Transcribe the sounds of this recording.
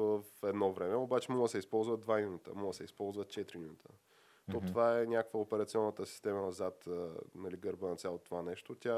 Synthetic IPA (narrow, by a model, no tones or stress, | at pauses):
vəfɛd̪nɔvɾɛmɛobat͡ʃɛmɔlˠəsɛispɔlˠzvəd̪vaminut̪ə̰mulˠəsɛispɔlˠzvət̪̚t͡ʃɛt̪ɾiminut̪ʰə | t̪ot̪ovaɛnʲakkvəopɛɾɐt̪siɔnːət̪əsi̥st̪ɛmənɐzat̪ənɐliɡəɾbənɐt̪sʲjalˠot̪ovanɛʃt̪ot̪ʲa